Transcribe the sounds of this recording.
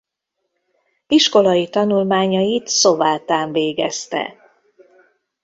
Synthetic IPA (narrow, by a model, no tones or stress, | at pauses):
iʃko̞lɒjit̪ɒnulmaːɲɒjit̪so̞vaːt̪aːɱveːɡɛst̪ɛ̰